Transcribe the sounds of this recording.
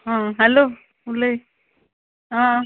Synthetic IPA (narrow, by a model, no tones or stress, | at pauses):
ãːɦɛloː | ʊlːe | ãː